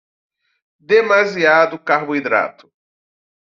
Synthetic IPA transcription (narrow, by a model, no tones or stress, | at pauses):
d̪emaziad̪ʊkaɾbʊid̪ɾa̰t̪ʊ̥